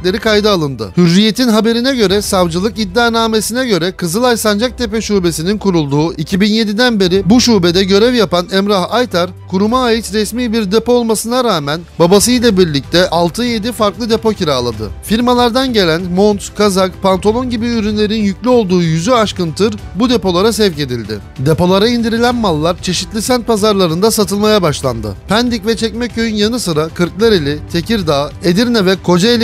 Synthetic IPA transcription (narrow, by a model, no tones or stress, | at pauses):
lʲe̞ɾikajd̪ɯalˠɯnd̪ɯ̰hyɾːije̞t̪ʰinɦabe̞ɾinɛɟø̞ɾɛsavd͡ʒɯlˠɯkid̪ːaːnaːme̞sinɛɟø̞ɾɛkʰɯzɯlˠajsand͡ʒak̚t̪ʰepɛʃuːbesininkʰuɾulˠd̪uːʔicʰibinje̞d̪id̪ænbeɾibuʃuːbed̪ɛɟø̞ɾɛvjapanɛmɾahajt̪ʰaɾkʰuɾumaːjɯt͡ʃ̪ɾɛsmiːbiɾd̪e̞po̞ːlˠmasɯnaɾaːmænbabas̬ɯjlʲˠabiɾlʲic̚t̪ʰɛʔalˠt̪ʰɯje̞d̪ifaɾklˠɯd̪e̞po̞cʰiɾaːlˠa̰d̪ɯ̰fiɾmalˠaɾd̪anɟe̞lʲænmo̞nt̪kʰazakpʰant̪ʰo̞lˠo̞nɟibiyɾynlʲe̞ɾinjycʲlʲyo̞lˠd̪uːjyzyaʃkɯnt̪ʰɯɾbud̪e̞po̞lˠaɾasɛvce̞d̪ilʲd̪ɪ̰ | d̪e̞po̞lˠaɾaind̪iɾilʲænmalˠːaɾt͡ʃʰe̞ʃit̪lʲisænt̪̚pʰazaɾlˠaɾɯnd̪asat̪ʰɯlˠmajabaʃlˠa̰nd̪ɯ̰pʰænd̪icvɛt͡ʃʰɛcmɛc̚ʰːøjynjanɯsɯɾakʰɯɾklˠaɾelʲiɪt̪ʰe̞ciɾd̪aːed̪iɾnʲɛvɛkʰo̞d͡ʒaelʲ